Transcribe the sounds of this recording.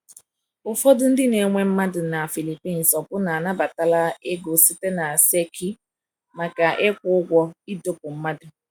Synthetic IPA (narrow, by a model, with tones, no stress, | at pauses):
ʊ˨fɔ˦dʊ˦n̩˦dɪ˦ne˨˦ŋʷe˦m̩˦ma˦dʊ˨na˨fi˨li˨pi˦˨n̩˨sɔ˨pʊ˦na˨a˨na˦ba˨ta˨la˦e˦ɡo˨si˦te˦na˨se˦kʰi˦ | ma˨ka˨ʔɪ˦kʷʊ˦ʊ˦ɡʷɔ˦i˦do˦pʊ˨m̩˦ma˦dʊ˨